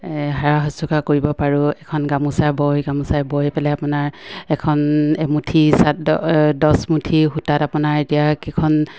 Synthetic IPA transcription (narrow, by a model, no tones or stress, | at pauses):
ɦaɹaɦɔsɔkʰakoɹibɔpaɹuɛkʰɔnɡamusabɔjɡamusajbɔjpɛlɛapʊnaɹɛkʰɔnɛmutʰisatdɔsmutʰiɦutatapunaɹetijakɛkʰɔn